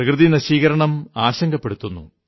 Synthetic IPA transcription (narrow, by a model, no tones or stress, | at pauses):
ɐkrɨðinɐɕiːɣɐɾɐɳɐmaːɕɐŋɡɐpːe̞ɽut̪ːunːṵ